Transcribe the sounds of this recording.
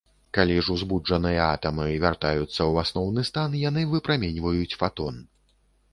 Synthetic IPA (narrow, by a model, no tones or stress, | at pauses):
kalʲiʐuzbud͡ʐɐnɨjɐat̪ɐmɨvʲart̪ajut̪sːɐwasnɔwnɨst̪anjanɨvɨpɾamʲenʲvɐjut͡sʲfat̪ɔn